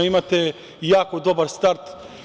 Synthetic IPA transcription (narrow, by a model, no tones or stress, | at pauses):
imat̪e | jaːkod̪obɐɾst̪aɾt̪